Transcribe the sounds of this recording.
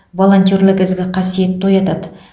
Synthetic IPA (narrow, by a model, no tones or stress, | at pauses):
vo̞lˠo̞nt̪ʲijorlˠɪkʲɪzɡʲɪqʰɑsije̞t̪ːʰo̞jɑt̪ɑd̪ə